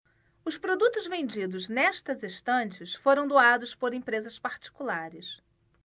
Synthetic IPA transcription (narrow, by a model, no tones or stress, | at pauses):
ʊspɾod̪ut̪ʊzvẽnd͡ʒid̪ʊznɛʃt̪ɐzeʃt̪ɐ̃t͡ʃɪsfoɾɐ̃w̃d̪oad̪ʊspoɾẽpɾezɐspaɾt͡ʃi̥kulaɾɪs